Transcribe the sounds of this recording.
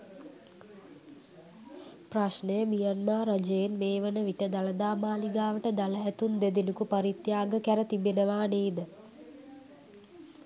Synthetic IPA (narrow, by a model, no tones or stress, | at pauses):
praʃnəjəmijanmaːɾɐd͡ʒejenmeːʋənəʋiʈəd̪aləd̪aːmaːliɡaːʋəʈəd̪aləæt̪und̪ed̪inukupɐɾit̪jaːɡəkæɾət̪ibenəʋaːneːd̪ə